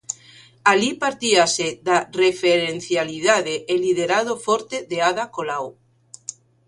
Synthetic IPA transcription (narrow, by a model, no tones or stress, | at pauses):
alipaɾt̪iaseðarefeɾenθjaliðaðeʔːliðeɾaðofoɾt̪eðeaðakolaw